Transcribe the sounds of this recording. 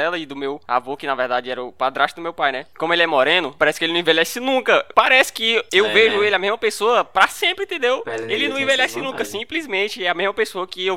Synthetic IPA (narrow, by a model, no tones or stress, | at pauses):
ɛlɐɪd̪ʊmewa̰vokɪnɐvɛɾd̪ad͡ʒɪɛɾɐʊpad̪ɾaʃt͡ʃɪd̪ʊmewpajnɛkõmʊelʲiɛmoɾẽnʊpaɾɛsɪ̥kɪelɪnɐ̃ĩveljɛsɪnũkɐpaɾɛsɪ̥kɪewveʒʊelɪamezmɐpesoɐpɾɐsẽpɾɪ̃ĩt̪ẽd̪ewelɪnɐ̃w̃ĩvelɛsɪnũkɐsĩplizmẽt͡ʃɪɛɐmezmɐpesoɐkɪew